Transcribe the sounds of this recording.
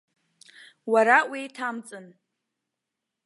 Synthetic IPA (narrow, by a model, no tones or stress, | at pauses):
waɾawijtʰamt͡sʼɨn